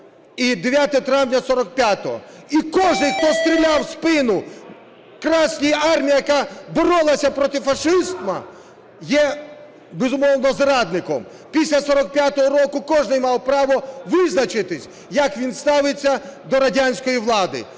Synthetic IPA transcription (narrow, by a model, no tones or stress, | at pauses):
id̪eʋʲjat̪ɔɔt̪ɾɑwnʲɐsɔɾɔk̚pʲjat̪ɔɦɔ̰ | ikɔʒnɪjkt̪ɔst̪ɾʲilʲawspɪnʊ | kɾɑsʲnʲijɑrmʲijijɐkabɔɾɔlˠɐsʲɐpɾɔt̪ɪfɐʂɪst̪mɐ | jɛ | bezʊmɔwnɔzrɑd̪̚nɪkɔm | pʲisʲlʲɐsɔɾɔk̚pʲjat̪ɔɦɔɾɔkʊkɔʒnɪjmɑwpɾɑʋɔʋɪznɐt͡ʃɪt̪ɪsʲ | jɐkʋʲinst̪ɑʋɪt͡sʲːɐd̪ɔɾɐdʲanʲsʲkɔjiʋlˠɑd̪ɪ̰